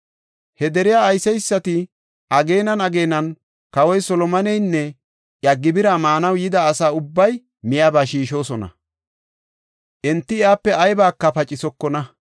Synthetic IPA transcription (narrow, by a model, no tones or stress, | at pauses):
hɛd̪ɛɾɪjaːjsɛjsːɐt̪ɪ | ʔɐɡe̞ːnɐnɐɡe̞ːnɐn | kɐwɔjsɔlɔmɐnɛjnːɛ | ʔjɐɡːɪbɪɾamaːnɐwjɪd̪ɐːsaːʊbːɐj | mɪjaːbaːʃiːʃo̞ːsɔnɐ̰ | ʔɛnt̪ːɪjaːpːɛʔɐjbaːkːɐpɐt͡ʃʼɪsɔkːɔnɐ